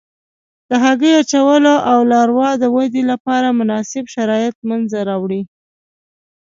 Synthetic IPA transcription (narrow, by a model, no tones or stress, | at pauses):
d̪̥əɦaɡəjat͡ʃawəloʔawlɑɾwɑd̪əwad̪ilapɑɾamʊnɑsɪbʃaɾɑjɪt̪̚manzaɾɑwɽi